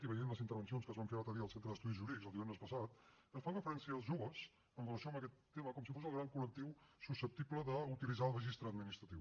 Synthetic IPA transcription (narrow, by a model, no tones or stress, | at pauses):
t̪iβəjenləzint̪əɾβ̞ənsionskəzβaɱfeɾət̪əðiəlˠsent̪ɾəðəst̪uðiʒuɾiðikzəlˠd̪iβɛnd̪ɾəspəsat̪ | əsfanrəfəɾɛnsiəəlˠzʒuβəz | ənrələsioəməkɛt̪ːeməkɔmsifosəlˠɣɾaŋkulək̚t̪iwsusəp̚t̪ipləðəut̪ilizaəlˠrəʒist̪ɾəːd̪minist̪ɾət̪iw